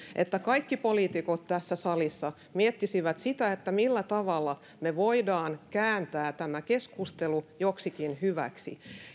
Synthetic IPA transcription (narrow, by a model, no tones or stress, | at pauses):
ʔet̪ːækɑikːipoliːt̪ikot̪t̪æsːæsɑlisːɑ | miet̪ːisiʋæt̪sit̪æet̪ːæmilːæt̪ɑʋɑlːɑ | meʋoidɑːnkæːnt̪æːt̪æmækeskust̪elujoksikinhyʋæ̰ksḭ